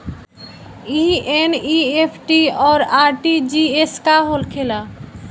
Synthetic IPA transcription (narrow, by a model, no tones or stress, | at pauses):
ieniepʰʈiɔːɾaɾʈid͡ʒieskaɦolkʰela